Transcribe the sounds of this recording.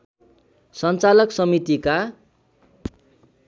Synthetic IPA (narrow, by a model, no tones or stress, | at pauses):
sʌnt͡salʌksʌmit̪ika